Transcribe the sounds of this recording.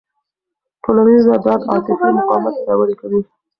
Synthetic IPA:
ʈolanizad̪ɑd̪ɑ̰k̪ɪfimʊqɑmat̪d̪ɑwaɾikawi

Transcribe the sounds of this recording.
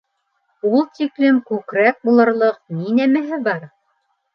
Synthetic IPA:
ulˠt̪iklɘmkʉkɾæk̚bulˠɤ̆ɾlˠɤq̚ninæmɘɦɘbɑɾ

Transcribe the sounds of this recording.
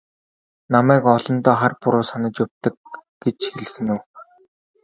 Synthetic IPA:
namæːkɔɮɞ̆nt̪ɔːχarpʊɾʊːsanə̆t͡ɕjʊp̚ʲt̪ə̆k̚ɡ̥et͡ɕxeɮ̆xɘ̆nɘ̆w

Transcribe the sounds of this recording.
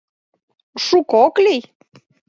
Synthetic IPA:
ʃukoklij

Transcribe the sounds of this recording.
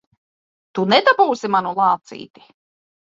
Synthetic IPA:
t̪unɛd̪abuːsimanulˠɑːt̪sḭːt̪i̥

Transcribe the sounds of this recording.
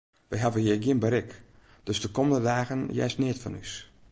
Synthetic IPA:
ʋɛjɦavəhiəɡjiənbəɾɪk | d̥øsdəkoməndədaːɣənjɛ̰snɪətfɔ̰ny̰s

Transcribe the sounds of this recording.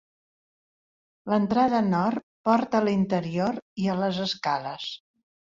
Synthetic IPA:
lənt̪ɾaðənɔr | pɔɾt̪əlint̪əɾioɾiələzəskaləs

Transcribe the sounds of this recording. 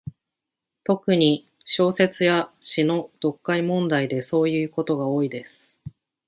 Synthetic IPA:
t̪o̞kɯ̟ɲ̟i | ɕo̞ːse̞t͡sɨjaɕino̞d̪̥o̞kːaimõ̞nd̪aid̪e̞so̞ːjɯ̟ːko̞t̪o̞ɡao̞ːid̪e̞sɨ̥

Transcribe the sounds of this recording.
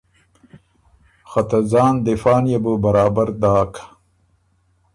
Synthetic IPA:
xat̪azɑːnd̪ɪfɑːnjebəbɐɾɑːbaɾd̪ɑːkʰḁ

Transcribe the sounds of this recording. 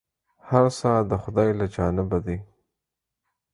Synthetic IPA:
haɾsɑd̪əxʊd̪ɑjlad͡ʒɑːnɪbad̪i

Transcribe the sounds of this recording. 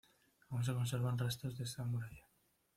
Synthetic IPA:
auns̬eko̞nseɾβanrest̪ɾozðesamuɾaʎa

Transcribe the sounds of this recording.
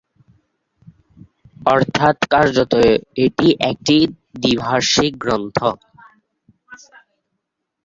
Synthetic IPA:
ɔɾt̪ʰat̪kaɾd͡ʑot̪oeʈiʔɛk̚ʈi | d̪ibʱaɾʃik̚ɡɾont̪ʰo

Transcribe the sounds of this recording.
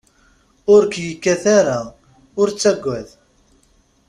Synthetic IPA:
ʊɾkjəkːæθaɾa | ʊɾt͡sːæɡʷːæð

